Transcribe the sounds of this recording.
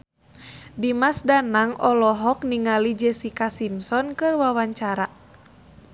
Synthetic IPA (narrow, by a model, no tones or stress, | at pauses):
dimasdanaŋɔlɔɦɔk̚niŋalid͡ʒɛsikasimsɔnkɨrwawaɲt͡ʃaɾa